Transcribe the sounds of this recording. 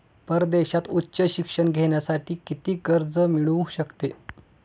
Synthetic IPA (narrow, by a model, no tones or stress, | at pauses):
pəɾd̪eɕat̪utːɕəɕikʂəɳɡʱeɳjasaʈiːkit̪iːkəɾd͡zəmiɭũɕəkt̪e